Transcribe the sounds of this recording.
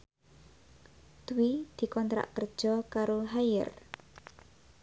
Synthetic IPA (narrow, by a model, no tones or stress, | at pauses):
d̪̥uwid̪̥i̤kɔnt̪ɾa̰ʔkər̥ʒ̥ɔ̤kaɾoɦajə̰r